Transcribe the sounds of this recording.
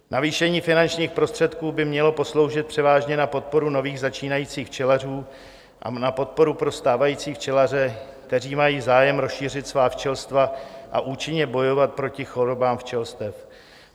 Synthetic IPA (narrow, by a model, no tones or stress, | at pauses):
nʔaviːʃɛɲiːfɪnant͡ʃɲiːxpɾo̞st̪r̥ɛt̪kuːbɪmɲɛlo̞po̞slo̞wʒɪt̪̚pr̝̥ɛvaːʒɲɛnapo̞t̪̚po̞ɾuno̞viːɣzat͡ʃiːnajiːt͡siːxft͡ʃɛlar̝uː | ʔa̰napo̞t̪̚po̞ɾupɾo̞st̪aːvajiːt͡siːft͡ʃɛlarɛk̚t̪ɛr̝iːmajiːzaːjɛmɾo̞sʃiːr̝ɪt̪svaːft͡ʃɛlst̪vaʔa̰ʔuːt͡ʃɪɲɛbo̞jo̞vat̪̚pɾo̞cɪxo̞ɾo̞baːmft͡ʃɛlst̪ɛf